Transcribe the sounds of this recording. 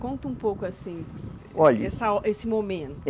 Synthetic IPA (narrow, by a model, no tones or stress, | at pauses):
kõnt̪ɐũpowkʊasĩ | ɔʎɐɛsɐɔʔesɪmomẽnt̪ʊ